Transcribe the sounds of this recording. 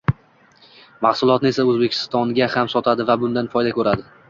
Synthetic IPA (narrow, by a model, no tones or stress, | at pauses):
mahsʊlˠɒt̪nɪe̞saɵzbekʲʰɪ̥st̪ɒŋɡʲahamsɒt̪ʰad̪ɪvabʊnd̪anfɒjd̪akʰɵɾad̪ɪ